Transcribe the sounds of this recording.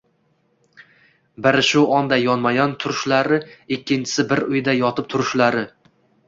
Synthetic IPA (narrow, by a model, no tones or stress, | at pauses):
bɪɾɪʃʊɒnd̪ajɒnmajɒnt̪ʰʊɾʊʃlaɾɪɪkʲːɪnt͡ʃʰɪ̥sɪbɪɾʊjd̪ajɒt̪ʰɪp̚t̪ʰʊɾʊʃlaɾɪ